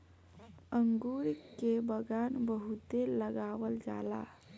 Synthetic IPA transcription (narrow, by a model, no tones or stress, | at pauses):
əŋɡuɾkebəɡanbəɦut̪eləɡawəld͡ʒa̰la̰